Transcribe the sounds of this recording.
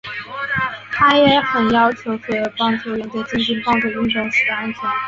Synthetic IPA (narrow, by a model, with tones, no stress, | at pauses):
t̪ʰa˥jɛ˧˥xə˨˩njɑ˥ʊt͡ɕʰjo˧˥ʊkʰɤ˥˩˨pɑ˥ŋʈ͡ʂu˥˩ɥɛ˧˥nt̪we˥˩t͡ɕi˥nt͡ɕi˥npɑ˥˧ŋʈ͡ʂu˥˩y˥˧nʈ͡ʂʊ˥˩ŋʂ̩˧˥d̪ə˧a˥nt̪ʰjɛ˧˥˦